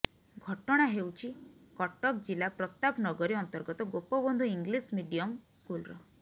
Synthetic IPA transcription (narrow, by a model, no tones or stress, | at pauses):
ɡʱɔʈɔɽ̃aɦewt͡ʃʰikɔʈɔk̚d͡ʒilapɾɔt̪apnɔɡɔɾiɔnt̪ɔɾɡɔt̪ɔɡopɔbɔnd̪ʱuiŋɡlismiɖijɔmskulɾɔ